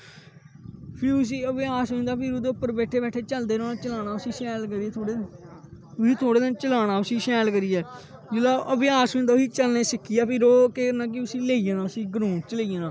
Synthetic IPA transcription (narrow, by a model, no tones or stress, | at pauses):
pʰɪɾʊs̬iːəʋeːaːsɦõːĩnd̪aːpʰɪɾod̪eːʊpːəɾbɛːʈʰeːbɛːʈʰeːt͡ʃəld̪eːɾõːnat͡ʃəlaːñaːʊsiːsɛːlkəɾiːɛːt̪ʰoːɽeː | ʊsiːt̪ʰoːɽeːd̪ent͡ʃəlaːɽ̃aːʊsiːsɛːlkəɾiːɛː | d͡ʒɪlaːʔəʋeːaːsõːnd̪aːiːt͡ʃəlneːsɪkʰːijaːpʰɪɾoːkeːnãːk̬ɪʊsiːleːijãːnãːʊsĩːɡəɾũːt͡ʃəleijãːnãː